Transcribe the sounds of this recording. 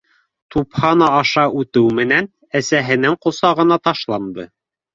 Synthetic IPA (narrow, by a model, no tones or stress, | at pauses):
t̪uphɑnɑːʃɑʔʉt̪ɘwmɘ̆næn | æsæɦɘ̆nɘŋqŏsɑʁɤ̆nɑt̪ɑʃlˠɑnd̪ɤ̰